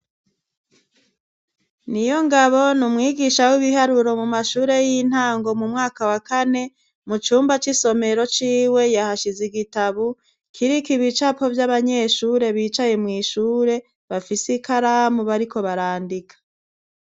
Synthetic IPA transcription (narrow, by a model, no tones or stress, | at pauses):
nijo̞ŋɡaβo̞numŋiːɡiʃawiβiɦaɾuɾo̞mumaʃuːɾe̞jin̥haːŋɡo̞mumŋaːkawakane̞ | mut͡ʃuːmbat͡ʃiso̞me̞ɾo̞t͡ʃiːwe̞jahaʃiziɡitaβu | kʰiɾikiβit͡ʃapo̞vjaβaɲe̞ːʃuːɾe̞βiːt͡ʃaje̞mŋiːʃuːɾe̞ | βafisikʰaɾamuβaɾikʰo̞βaɾaːndikʰḁ